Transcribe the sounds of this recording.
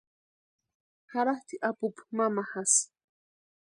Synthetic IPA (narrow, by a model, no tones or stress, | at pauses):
haɾaht̪iʔapʊpmamahas